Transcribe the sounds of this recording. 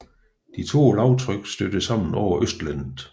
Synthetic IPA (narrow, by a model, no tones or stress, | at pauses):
d̥it͡sʰo̝̰ːlɑ̈ʊt͡sʰʁœɡ̥sd̥ød̥əsɑ̈m̰n̩ɒʊɐʔøsd̥lænð̩ˠ